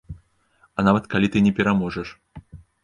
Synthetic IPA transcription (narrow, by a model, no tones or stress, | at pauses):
ɐnavɐt̪kalʲit̪ɨnʲɛpʲɛɾamɔʐɛʂ